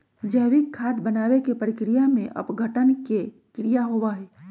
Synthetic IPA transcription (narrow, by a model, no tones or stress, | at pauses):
d͡ʒəɦwikʰːaːd̪bənaːwekepəɾɪkɾijamẽʔɐ̰pɡʱəʈənke | kɾijaɦowaɦɛː